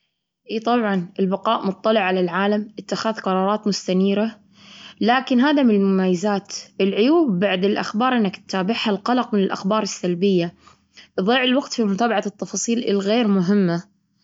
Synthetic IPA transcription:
ʔiːt̪ˤɑbʕɑnʔɪlbɪqɑːʔmʊt̪ˤːɑlɪʕːalalʕaːlamʔɪt̪ːaxaːðqɑɾˤɑːɾˤɑːt̪mʊst̪aniːɾa | laːkɪnɦaːðamɪnɪlmʊmaːjːazaːt̪ʔɪlʕʊjuːbːaʕd̪ɪlʔa̰xbɑːɾˤʔɪnːakt̪ːaːbɪʕhalqɑlɑqmɪnɪlʔa̰xbɑːɾˤɪsːalbɪjːa | ʔðˤiːʕɪlwaɡt̪fimʊt̪aːbaʕat̪ːɑfɑːsˤiːlɪlɣeːɾmʊɦɪmːa

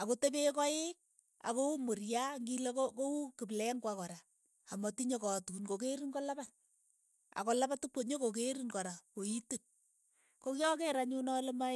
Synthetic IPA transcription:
akotebekɔek̚ | a̰koumorjaŋɡilekokoukiblɛŋkwakɔɾa | amɔtiɲokɔtunkok̬eɾiŋkɔlabat̚ | a̰kɔlapatuk͡poɲokok̬eɾinkɔɾakoitun | kokjɔkeɾaɲunɔlema

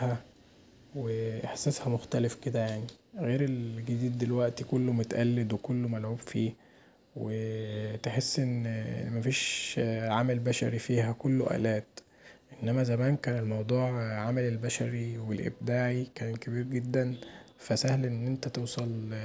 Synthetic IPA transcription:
hæ | weʔeħsæːshæmoxt̪ælefked̪æjaʕniɣeːɾelɡed̪iːd̪ːelwæʔt̪ikolːomot̪æʔælːed̪wekolːomælʕuːbfiː | wet̪eħesːʔenːmæfiːʃʕamælbæʃæ̰ɾifiːhækolːoʔæ̰ːlæːt̪ | ʔenːæmæzæmæːnkæːnelmɑwd̪ˤuːʕʕamælelbæʃæɾiwelʔḛb̚d̪aːʕikæːnkæbiːɾɡed̪ːænfæsæhlʔenːʔent̪æt̪ewsˤɑl

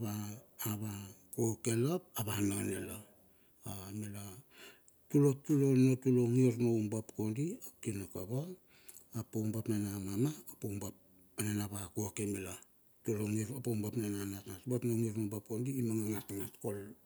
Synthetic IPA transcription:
βaːβakokelop̚aβanaanelo | amela | tulotulonotuloŋiɾnoumbapkondiokinokaβaː | poumbapnanamamaopombap̚ | nenaβakokemela | tuloŋiɾopoumbapnananatatbatnoŋiɾnombap̚kondiːmaŋaŋatŋatkol

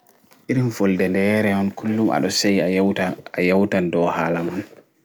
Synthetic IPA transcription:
ʔiɾimfɔldɛndɛːɾɛɔnkʰulːumʔa̰ɗɔsej | ajawtandɔhaːlamɔn

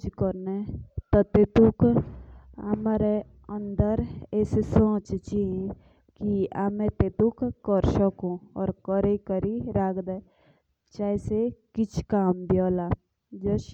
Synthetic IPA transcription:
d͡ʒkəɾnet̪ɔt̪et̪uk | ɐmaːɾe | ə̃nd̪əɾesesõːt͡ʃt͡ʃĩ | kiamẽt̪et̪ukkːəɾsəkõɔ̰ːɾkəɾekəɾiɾaːkd̪e | t͡ʃaːisekɪt͡ʃʰkaːmbjoːlaː | d͡ʒəʃ

